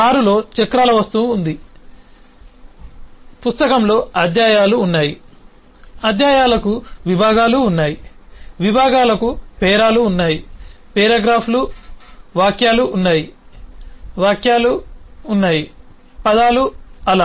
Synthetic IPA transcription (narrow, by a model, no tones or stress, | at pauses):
aːɾulo̞ːt͡ʃekɾaːlɐʋɐst̪uːnd̪i | pust̪ɐkɐmlo̞ːɐd̪jaːjaːluːnːaːji | ɐd̪jaːjaːlɐkuʋibʱaːɡaːluːnːaːjiʋibʱaːɡaːlɐkupɛːɾaːluːnːaːjipɛːɾɐɡɾaːpʰlu | ʋaːkjaːluːnːaːji | ʋaːkʰjaːluːnːaːji | pɐd̪aːluɐlaː